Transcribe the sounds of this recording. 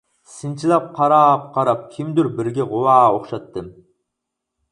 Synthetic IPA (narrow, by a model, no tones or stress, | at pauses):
sɨnt͡ʃʰilˠɑp̚qʰɑɾɑːp̚qʰɑɾɑp̚kʲʰimd̪yɾbɪɾɡʲɛʁʊwɑːoχʃɑt̪ːɨm